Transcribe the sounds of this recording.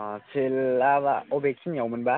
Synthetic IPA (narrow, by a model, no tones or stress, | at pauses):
sʰɯlabaobek̚sʰinjawmɯnba